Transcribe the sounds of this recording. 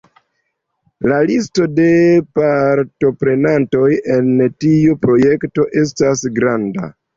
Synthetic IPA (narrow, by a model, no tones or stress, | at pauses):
lalisto̞de̞paɾto̞pɾe̞nanto̞je̞ntiupɾo̞je̞kto̞ʔe̞s̬tasɡɾanda̰